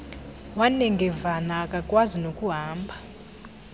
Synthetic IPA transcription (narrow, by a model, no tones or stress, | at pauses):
wanɛŋɡɛvanaːkʼakʼwazinokʼuɦaːmba